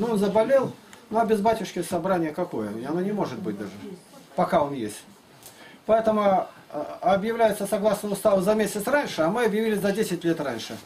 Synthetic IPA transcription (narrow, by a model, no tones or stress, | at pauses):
nuonzəbɐlʲe̞lˠnuɐbʲɪzbatʲʊʂkʲɪsɐbɾanʲɪjəkɐko̞jəɪɐnonʲɪmo̞ʐɨt̪̚bɨt̚ʲd̪aʐɨpɐkao̞njesʲtʲ | pɐɛt̪əmʊ | ɐbjɪvlʲæjɪt̪səsɐɡlˠasnəʊst̪avəzɐmʲesʲɪt̪sranʲʂɨɐmɨɐbjɪvʲilʲɪsʲzɐdʲesʲɪtʲlʲet̪ranʲʂɨ